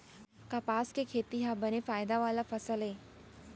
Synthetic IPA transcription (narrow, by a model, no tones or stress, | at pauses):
kapaːskekʰeːt̪iɦabənefaːjd̪aʋaːlafɐsəlɦeː